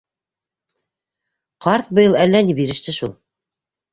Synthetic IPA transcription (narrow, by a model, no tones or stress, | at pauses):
qɑɾt̪̚bɤ̆jɤ̆lˠælːænibiɾɘ̆ʃt̪ɘʃulˠ